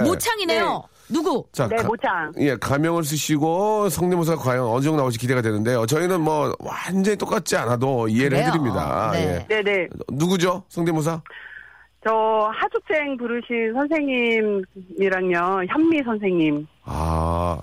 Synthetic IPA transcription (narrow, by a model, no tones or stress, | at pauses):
mot͡ɕʰaŋine̞jo | nuɡut͡ɕanemot͡ɕʰaŋje̞kamjʌŋɯɭs̬ʰɯɕʰiɡosʰʌŋnimos̬ʰakwajaŋʌnɯd͡ʑʌŋnaoɕ̬ʰikide̞ɡadwenɯnde̞jot͡ɕʌinɯnmwʌwand͡ʑʌɲit͈ok͈at̚t͡ɕ͈ianadoie̞ɾɯɭhʰɦedɯɾimɲida̰jḛnene̞nuɡud͡ʑosʰʌŋnemos̬ʰa | t͡ɕʌhad͡ʑʰuk̚s͈eŋpuɾɯɕʰinsʰʌnsʰe̞ŋɲimiɾaŋmjʌçjʌmːisʰʌns̬ʰe̞ŋɲima̰